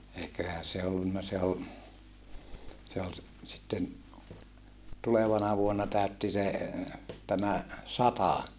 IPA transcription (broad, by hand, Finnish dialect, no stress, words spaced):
eikøhæ se olːunːɑ se o se ol s sitːen tuleʋɑnɑ ʋuonːɑ tæˑøtːi se tæmæ sɑtɑ